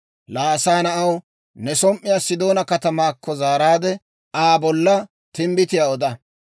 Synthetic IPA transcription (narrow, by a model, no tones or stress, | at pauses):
laːsaːnɐʔɐw | nɛsɔmʔːɪjaːsɪd̪o̞ːnɐkɐt̪ɐmaːkːɔzaːɾaːd̪ɛ | aːbɔlːɐ | t̪ɪmbɪt̪ɪjaːɔd̪ɐ